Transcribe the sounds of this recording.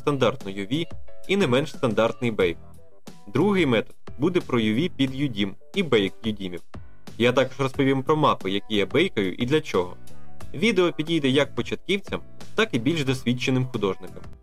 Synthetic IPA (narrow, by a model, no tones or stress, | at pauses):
st̪ɐnd̪ɑrt̪nɔjɔʋʲiinɛmɛnʃst̪ɐnd̪ɑrt̪nɪjbɛjk̚ | d̪ɾuɦɪjmɛt̪ɔ̥d̪̥̚bud̪ɛpɾɔjɔʋʲipʲid̪jʊdʲim | ibɛjkjʊdʲimʲiw | jat̪ɑkɔʒrɔspɔʋʲimpɾɔmɑpɪjɐkʲijabɛjkɐjʊ̰ʔid̪lʲɐt͡ʃɔɦɔ̰ʋʲid̪eɔpʲidʲijd̪ɛjɐk̚pɔt͡ʃɐt̪̚kiwt͡sʲɐm | t̪ɑkibʲilʲʒd̪ɔsʲʋʲit͡ʃːenɪmxʊd̪ɔʒnɪkɔm